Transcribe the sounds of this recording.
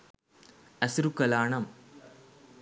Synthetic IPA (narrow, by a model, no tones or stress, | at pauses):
ɐsɾukːɐlaːɳɐm